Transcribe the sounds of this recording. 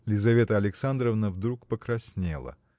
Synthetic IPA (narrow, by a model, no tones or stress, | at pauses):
lʲɪzɐvʲe̞t̪əɐlʲɪksand̪ɾəvnəvd̪ɾukpəkɾɐsʲnʲḛlˠə̰